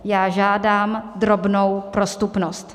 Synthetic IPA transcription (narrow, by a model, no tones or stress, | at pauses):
jaːʒaːdaːmd̪ɾo̞bnowpɾo̞st̪upnost̪